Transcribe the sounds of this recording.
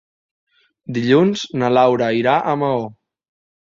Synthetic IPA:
d̪iʎunz̥nəlawɾəiɾaʔəməo

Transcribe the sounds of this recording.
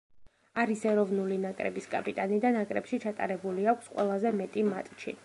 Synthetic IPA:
aɾisɛɾɔvnulinakʼɾɛ̰biskʼapʼit̪ʼanid̪anakʼɾɛpʃit͡ʃʰat̪ʼa̰ɾɛbuliakʷʰsqʼwɛ̰lˠazɛmɛt̪ʼimat̪ʼt͡ʃʰḭ

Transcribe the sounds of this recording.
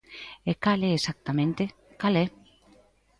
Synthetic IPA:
ekalɛesak̚t̪amẽnt̪e | kalɛ

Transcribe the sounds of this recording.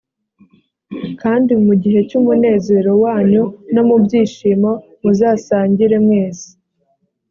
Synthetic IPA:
kaːndimuɟiɦe̞cumune̞ːze̞ɾo̞waːɲuno̞mubɟiːʃiːmo̞ | muzaːsaːɲɟiɾe̞mŋeːzi̥

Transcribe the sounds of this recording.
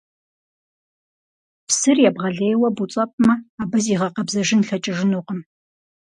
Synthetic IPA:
psɨrjɛbʁɐɮeːjwɐbut͡sʼɐpʼmɐaːbɐziːʁɐqɐbzɐʒɪnɬɐt͡ʃʼɪʒɪnuːqəm

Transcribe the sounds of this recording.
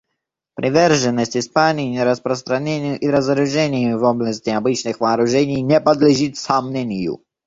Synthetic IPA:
pɾʲʔɪvʲɛrʐɨnːəsʲtʲɪspanʲɪjnʲɛɾɐspɾəst̪ɾɐnʲenʲɪjʊʔiɾɐzɐɾʊʐɛnʲɪjʊvɔbnəsʲt̪ʲɪabɨt͡ɕnɨxvaːɾʊʐɛnʲijnʲɛpɐd̪lʲɪʐit̪samnʲɛnʲɪjṵ

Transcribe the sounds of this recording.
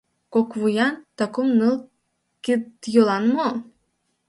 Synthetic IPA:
kokvujɑnt̪ɑkumnɯlˠ | kit̪jolˠɑnmo

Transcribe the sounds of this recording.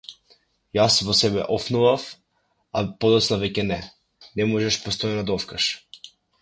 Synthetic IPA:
jasvɔsɛbɛ̰ʔɔfnuvaf | apɔd̪ɔt̪snavɛcɛnɛ | nɛmɔʒɛʃpɔst̪ɔjɛnad̪aɔfkaʃ

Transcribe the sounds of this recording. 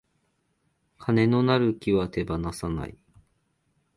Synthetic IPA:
kʰane̞no̞naɾɯ̟kʲiβat̪e̞banasana̰i

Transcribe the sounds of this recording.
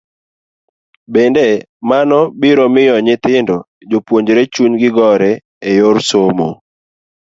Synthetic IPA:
bende | manɔbɪɾɔmɪjɔɲɪt̪ɪndɔ | d͡ʒopwoɲd͡ʒɾet͡ʃuɲɡɪɡɔɾɛ | ejoɾsomo̰

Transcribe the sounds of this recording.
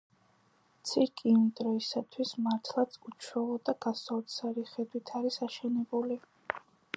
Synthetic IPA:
mt̪sʰiɾkʼiund̪ʼɾɔisat̪ʰwismaɾt̪ʰlˠat̪sʰut͡ʃʰwɛlˠɔd̪aɡasɔlt̪sʰaɾiχɛd̪wit̪ʰaɾisaʃɛnɛbuli

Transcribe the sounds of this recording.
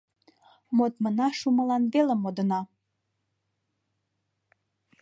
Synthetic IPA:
mot̪mənɑʃuməlɑnβelə̆mod̪ə̆nɑ

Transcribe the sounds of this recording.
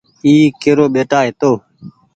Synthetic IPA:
iːkeːɾoːɓeːʈaːɦɪt̪oː

